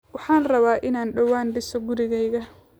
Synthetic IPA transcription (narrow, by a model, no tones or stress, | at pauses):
wɑħɑːnrɐβaːʔɪnaːnɖɐwaːnɖɪsɔɡʊɾɪɣɛjɣɐ